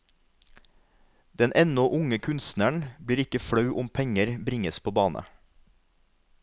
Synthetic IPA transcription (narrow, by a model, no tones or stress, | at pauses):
d̪̥ɛnʔɛnɔʔʊŋəkʰʉnst̪næɳbɽiːɾɪkəfɽɑʉʔʊmpʰɛŋəɾbɾɪŋəspʰoːbɑːnə̰